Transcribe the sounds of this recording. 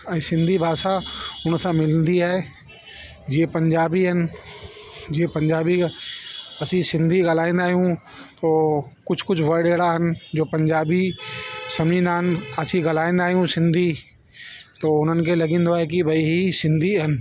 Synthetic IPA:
ɐsɪ̃nd̪ʱibʱaːʃaʊnsãmɪlnd̪iɦɛː | d͡ʒiepɐ̃ɲd͡ʒaːbiɦənɪ̆ | d͡ʒiepɐ̃ɲd͡ʒaːbi | ɐsĩsɪ̃nd̪ʱiɡɐlaːẽːnd̪aːɦijũ | t̪oːkʊt͡ʃʰkʊt͡ʃʰʋɐɽeːɽaɦənd͡ʒoːpɐ̃ɲd͡ʒaːbisɐmĩnd̪aːɦənɐsĩɡɐlaːẽːnd̪aːɦijũsɪ̃nd̪ʱi | t̪oːʊn̤ənkelɐɡĩːn̆d̪oɦɛk̬ibʱɐiɦisɪ̃nd̪ʱiɦɐnɪ̆

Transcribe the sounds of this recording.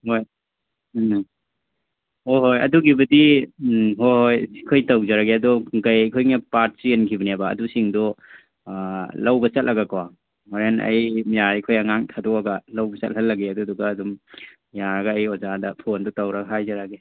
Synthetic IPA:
hoj | hoɦojɐ̰duɡibɐdi | ɦohojsikʰojtawd͡ʒaɾaɡeɐdɔkajajkʰojŋapat̚sienkʰibɐnaba̰ːdusiŋdɔ | lɐwbɐt͡ʃɐt̚lʔɐɡakʰawa | aɾenɐ̰jmijaɾikʰojaŋaŋtʰadɔaɡɐlawbɐt͡ʃɐ̰t̚hɐlːɐɡeɐduduɡaːdɔm | jaɡaːjɔzadɐpʰondɔtawɾaɡaɦajzaɾaɡe

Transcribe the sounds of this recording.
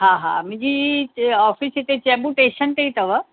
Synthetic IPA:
ɦãɦã̰mʊ̃d͡ʑiɔːfʰisit̪et͡ʃeːbuʈeːʃənt̪eit̪ɐʋə

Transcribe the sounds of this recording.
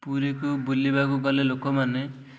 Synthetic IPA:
puɾikubulibakuɡɔlelokɔmane

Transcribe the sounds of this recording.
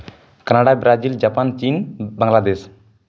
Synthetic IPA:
kanaɽabɾad͡ʒild͡ʒapant͡ʃinbaŋlad̪es

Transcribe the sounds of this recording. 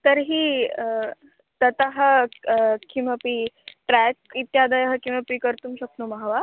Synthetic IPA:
t̪əɾɦiː | t̪ət̪aɦə | kʰiməpiʈɾæk̚it̪jad̪əjɦəkiməpikəɾt̪umɕək̚noməɦʋa

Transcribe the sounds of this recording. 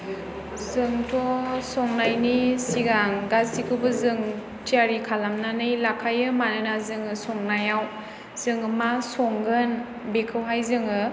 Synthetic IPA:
zɯŋtʰɔsɔŋnajnisiɡaŋɡazsikʰɯbɯzɯŋ | tʰiaɾikʰalamnanɯjlakʰajɯmanɯnazɯŋɯsɔŋnajaw | z̥ɯŋɯmasɔŋɡɯn | bekʰɯwɦajzɯŋɯ

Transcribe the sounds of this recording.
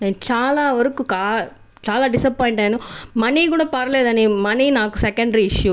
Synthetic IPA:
nẽːt͡ʃaːlaːʋɐɾɯkːɯkaː | t͡ʃaːlaːɖɪsɐpːɔːɪɳʈeːnũmɐnikuːɽɐpɐɾɐleːðɐːnimɐninaːkːɯsɛkɐɳɖɾiɪʂju

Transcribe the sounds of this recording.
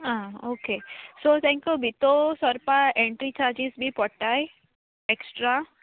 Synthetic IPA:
aoːkesot̪ʰɛ̃ŋkjubʱit̪osɔɾpaẽɳʈɾit͡ʃaːɾd͡ʒisbʱipɔʈaj | eksʈɾa

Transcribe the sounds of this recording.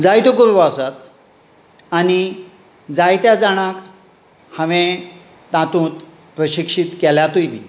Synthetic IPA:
d͡zajt̪okoɾʋasat̪ | añi | d͡zajt̪jad͡zaɽ̃ak | həʋẽ | t̪ãt̪ũːt̪ | pɾəɕikʂit̪kɛljat̪ujbḭː

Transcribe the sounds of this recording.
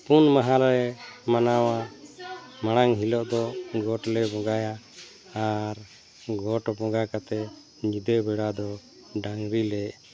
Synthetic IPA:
punmaɦalɾɛmanawa | maɽ̃aŋɦilɔʔd̪ɔɡɔʈlɛbɔ̃ɡaja | aɾ | ɡɔʈbɔɡakat̪ɛ | ɲid̪ɛbɛɽad̪ɔ | ɖaŋɾilɛʔ

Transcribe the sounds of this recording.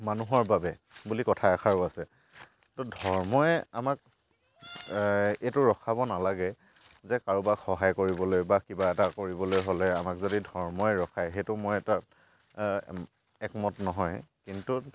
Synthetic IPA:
manuɦɔɹbabɛ | bulikɔtʰajakʰaɹʊasɛ | tɔdʱɔɹmɔɛamak̚ | ejtʊɹɔkʰabɔnalaɡɛ | zɛkaɹubakxɔɦajkoɹibɔlojbakibaɛtakoɹibɔlojɦolɛamakzodidʱɔɹmɔɛɹɔkʰajɦejtʊmojɛtat | ɛkmɔtnɔɦɔjkintu

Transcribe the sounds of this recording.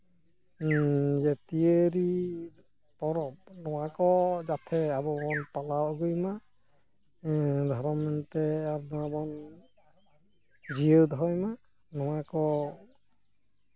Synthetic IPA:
zɛtieɾi | pɔɾɔp̚nɔwakɔzat̪ʰɛabɔbɔnpalawɡujma | d̪ʱɔɾɔmɛntɛaɾnabɔn | zijədɦɔjma | nɔwakɔ

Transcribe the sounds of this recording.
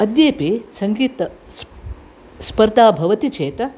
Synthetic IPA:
ɐd̪jeːpisɐŋɡiːt̪ɐs | spɐɾd̪aːbʱɐʋɐt̪it͡ʃeːt̪ɐ

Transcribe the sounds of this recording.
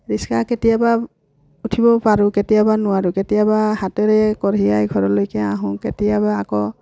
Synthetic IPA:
ɹiskaketijaba | utʰibɔpaɹuketijabanʊwaɹuketijabahatɔɹɛkɔɹiajɡʱɔɹɔlojkɛãɦũketijabaːkɔ

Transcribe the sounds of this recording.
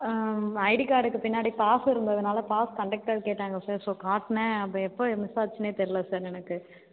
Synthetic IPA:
ɐɪɽikaːɽɯkːɯpɪnːaːɽipaːsɪɾɯnd̪ɐðɐnaːlɐpaːskɐɳɖɐk̚ʈɐɾkeːʈːaːŋɡɐsaːɾsoːkaːʈnẽɐpːɐɛpːoːmɪsaːɾt͡ʃːɐneːt̪ɛɾɪlɐsaːɾɛnɐkːɯ

